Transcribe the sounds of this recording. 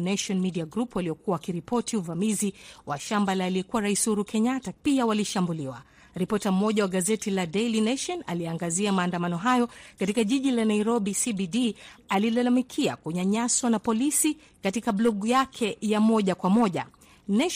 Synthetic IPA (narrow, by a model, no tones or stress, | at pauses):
naʃɔnmidiaɡɾupwaliɔkuawakiɾipɔtiuvamiziwaʃambalaːliɛkuwaɾaisuɾukʰɛɲatapiawaliʃambuliwa | ɾipɔtam̩mːɔʄawaɠazɛtiladɛlinaʃɔna̰liaŋɡaziamaːndamanɔɦajɔkatikaʄiʄilanaiɾɔɓisibidialilalamikʰia̰kuɲaɲaswanapɔlisi | katikablɔɡujakʰɛjamɔʄakwamɔʄa̰ | nɛ